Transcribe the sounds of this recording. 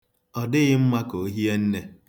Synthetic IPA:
ɔ˨dɪ˦ɣɪ˦m̩˦ma˦ko˨˦ɦi˦e˦n̩˦ne˨

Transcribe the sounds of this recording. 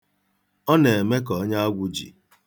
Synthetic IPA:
ɔ˦ne˨e˨me˦kɔ˨˦ɲa˦a˦ɡʷʊ˨d͡ʒḭ˨

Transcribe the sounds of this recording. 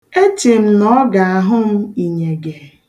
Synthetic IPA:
e˦t͡ʃe˨m̩˦nɔ˦ɡa˨a˨ɦʊ˦m̩˦i˨ɲe˨ɡe˨

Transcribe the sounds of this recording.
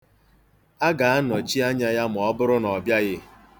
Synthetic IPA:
a˦ɡa˨a˦nɔ˨t͡ʃi˦a˦ɲa˦ja˦mʊ˨ɔ˦bʊ˦ɾʊ˦nɔ˨bja˦ɣɪ˦

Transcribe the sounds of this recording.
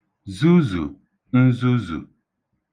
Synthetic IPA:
zu˦zṵ˨ | n̩˦zu˦zṵ˨

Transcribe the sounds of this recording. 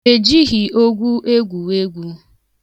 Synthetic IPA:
e˨d͡ʒi˦ɦi˨o˦ɡʷu˦ʔe˦ɡʷu˨e˦ɡʷu˨

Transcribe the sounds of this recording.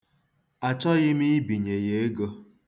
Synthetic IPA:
a˨t͡ʃɔ˦ɣɪ˦mi˦i˦bi˨ɲe˨je˨˦e˦ɡo˦

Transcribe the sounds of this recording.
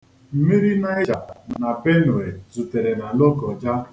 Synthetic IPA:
m̩˦mi˦ɾi˦na˦e˦d͡ʒa˨na˨be˦no˨e˨zu˨te˨ɾe˨na˨lo˦kɔ˨d͡ʒa˦

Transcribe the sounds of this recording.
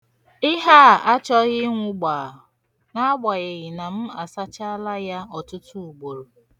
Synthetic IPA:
ɪ˦ɦa˦˨a˦t͡ʃɔ˦ɣɪ˦ŋʷʊ˨ɡ͡ba˨ | na˦a˦ɡ͡ba˨ɣe˨ɣɪ˨na˨m̩˦a˨sa˦t͡ʃa˦a˦la˦ja˦ɔ˨tʊ˦tu˦u˨ɡ͡bo˨ɾo˨

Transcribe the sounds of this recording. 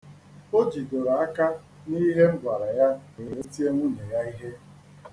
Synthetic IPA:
o˦d͡ʒi˨do˨ɾa˨a˦ka˦ | ni˦ɦe˦m̩˦ɡʷa˨ɾa˨ja˦e˨ɾe˦ti˦e˦ŋʷu˦ne˨ja˦i˦ɦe˦

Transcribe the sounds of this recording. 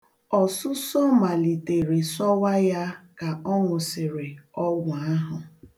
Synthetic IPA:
ɔ˨sʊ˦sɔ˦ma˨li˨te˨ɾɪ˨sɔ˦wa˦ja˦ka˨ɔ˦ŋʷʊ˨sɪ˨ɾɪ˨ɔ˦ɡʊ˨a˦ɦʊ˨

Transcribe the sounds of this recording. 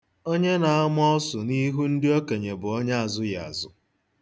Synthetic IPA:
o˦ɲe˦na˨a˦m˦ɔ˦ɔ˦sʊ˨ni˦ɦu˦n̩˦dɪ˦o˦ke˨ɲe˨bʊ˨o˦ɲa˦a˨zʊ˦ja̰˨a˨zʊ˨

